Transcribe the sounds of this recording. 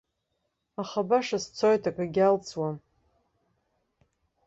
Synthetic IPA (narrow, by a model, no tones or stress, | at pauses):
aχabaʂast͡sʰojtʰakʼaɡʲalt͡sʰwa